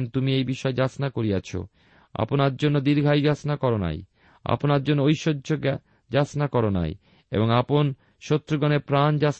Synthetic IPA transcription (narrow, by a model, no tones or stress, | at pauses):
nt̪umiejbiʃɔed͡ʑasnakoɾijat͡ɕʰo̰ | a̰ponaɾd͡ʑonːod̪iɾɡʱajd͡ʑasnakɔɾona̰j | a̰ponaɾd͡ʑonːoojʃodːʱoɡ | d͡ʑasnakɔɾona̰j | ḛboŋapon | ʃot̪ːɾoɡɔneɾpɾand͡ʑas